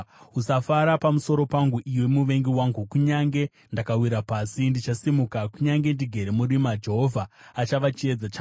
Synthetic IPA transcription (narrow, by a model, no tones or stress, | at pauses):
ɦusafaɾapamuso̞ɾo̞paŋɡuʔiwe̞muʋe̞ŋɡiwaŋɡukuɲaŋɡe̞ | ndakawiɾapaːsindit͡ʃasimukakuɲaŋɡe̞ndiɡʱe̞ɾemurimad͡ʒe̞ɦo̞vʱaːt͡ʃaʋat͡ʃie̞d͡zat͡ʃaː